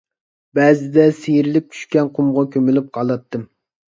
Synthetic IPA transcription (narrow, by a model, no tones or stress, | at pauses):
bɛzɪd̪ɛsejɾɪlɪp̚t͡ʃʲʰy̥ʃkʲɛnqʰʊmʁɑkʲʰømylyp̚qʰɑlˠɑt̪ːɨm